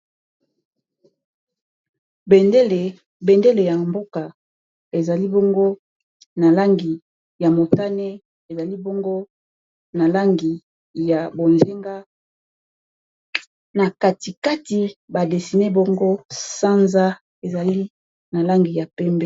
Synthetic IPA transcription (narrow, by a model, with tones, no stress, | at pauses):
le˨ | be˨nde˦le˨ja˨mbo˦ka˨ | e˨za˨li˦bo˦ŋɡo˦ | na˨la˦ŋɡi˨ | ja˨mo˨ta˦ne˦ | e˨za˨li˦bo˦ŋɡo˦ | na˨la˦ŋɡi˨ | ja˨bo˨nze˦ŋɡa˦ | na˨ka˦ti˨ka˦ti˨ba˨de˨si˨ne˦bo˦ŋɡo˦sa˦nza˦ | e˨za˨li˦ | na˨la˦ŋɡi˨ja˨pɛ˦mbɛ˦